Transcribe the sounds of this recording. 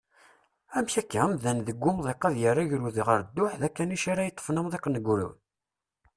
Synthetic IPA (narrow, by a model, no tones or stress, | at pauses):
æmçækːæmðænðəɡʷːʊmðˤeqæðjərːaʝɾuðiʁəɾd̪ːʊħðækːæniʃaɾajət̪ˤːfnæmðˤeqnəɡɾṵwn